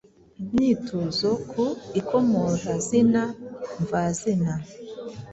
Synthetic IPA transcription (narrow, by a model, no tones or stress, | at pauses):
mɲitʰuzokʰuikomoɾazinaɱvazina